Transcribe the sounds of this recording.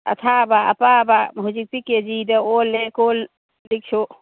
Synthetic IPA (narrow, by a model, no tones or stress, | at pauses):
ɐ̰t̪ʰabaɐ̰pabaɦud͡ʒik̚tiked͡ʒidɐolekol | lik̚t͡ʃʰo